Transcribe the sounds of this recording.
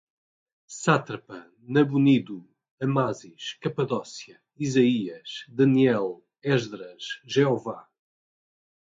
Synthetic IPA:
sat̪ɾɐpɐ | nɐβuniðu | ɐmaziʃkɐpɐðɔsjɐ | izɐiɐʃd̪ɐniɛlˠ | ɛʒðɾɐʃʒeɔva

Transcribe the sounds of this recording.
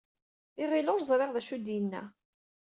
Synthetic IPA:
ɪʁilʊɾzˤɾˤeʁðæʃud̪ijənːæ̰

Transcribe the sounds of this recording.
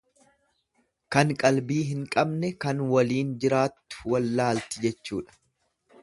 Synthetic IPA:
kɐŋkʼɐlbiːɦɪŋkʼɐbnɛkɐnwɐliːnd͡ʒɪɾaːt̪ːʊ̥wɐlːaːlt̪ɪd͡ʒɛt͡ʃːuːᶑɐ̥

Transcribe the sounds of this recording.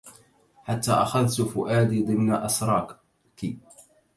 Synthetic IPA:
ħat̪ːa̰ːʔaxaðt̪ʊfʊʔaːd̪id̪ˤɨmnaʔasɾˤɑːk | ki

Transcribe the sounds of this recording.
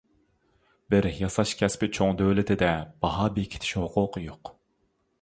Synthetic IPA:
bɪɾjɑsɑʃkʲʰɛspɪt͡ʃʰoŋd̪øwlɪt̪ʰɪd̪ɛb̥ɑɦɑːbekʲʰɪ̥t̪ʰɪ̥ʃhʊqʰʊqʰəjoq

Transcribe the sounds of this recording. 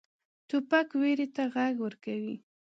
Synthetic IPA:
t̪ʊpakweɾet̪aɣaɡwəɾkawi

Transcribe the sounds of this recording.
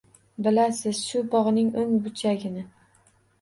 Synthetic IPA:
bɪlasɪz̥ʃʊbɒʁnɪŋoŋbʊt͡ʃʰaɡʲɪnɪ

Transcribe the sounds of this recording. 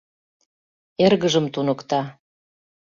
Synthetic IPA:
erɣəʒəmt̪unəkt̪ɑ

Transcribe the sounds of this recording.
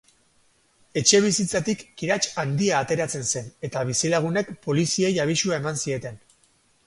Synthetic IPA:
e̞t͡ʃe̞β̞isit͡sat̪ikːiɾat͡ʃand̪iaːt̪e̞ɾat͡se̞nse̞ne̞t̪aβ̞isilaɣ̞une̞kpo̞lisie̞jaβ̞isuae̞mansie̞t̪e̞n

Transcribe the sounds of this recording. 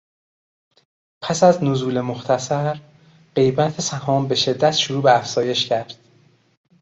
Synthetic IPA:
pʰæsæznozuːle̞moxt̪ʰæsæɾ | ɢe̞jbæt̪ʰesæhɒːmbe̞ʃe̞d̪ːæt̪ʃoɾuːbeæfz̥ɒːje̞ʃcʰæɾd̪̥̚

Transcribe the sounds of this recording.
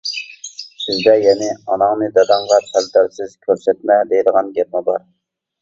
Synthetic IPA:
sɪzd̪ɛjɛnɪɑnɑŋnɨd̪ɑd̪ɑɴʁɑpʰæld̪æɾsɪz̥kʲʰøɾsɛt̪̚mɛd̪ejd̪əʁɑnɡʲæɾmɑbɑɾ

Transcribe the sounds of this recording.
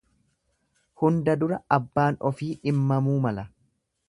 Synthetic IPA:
hʊnd̪ɐd̪ʊɾɐɐbːaːnɔfiːᶑɪmːɐmuːmɐlɐ

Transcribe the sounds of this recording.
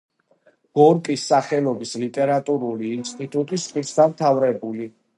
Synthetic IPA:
ɡ̥ɔɾkʼisːaχɛlˠɔbislit̪ʼɛɾat̪ʼuɾuliːnst̪ʼit̪ʼut̪ʼisʼisʰd̪amt̪ʰavɾɛbuli

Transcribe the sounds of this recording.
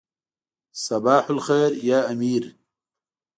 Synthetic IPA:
sɐbaːħʊlxeːɾjaːamiːɾ

